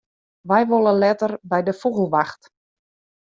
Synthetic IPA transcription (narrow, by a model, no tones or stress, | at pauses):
ʋɛjʋolˠəlɛtərbɛjdəfuɣəlˠʋaxt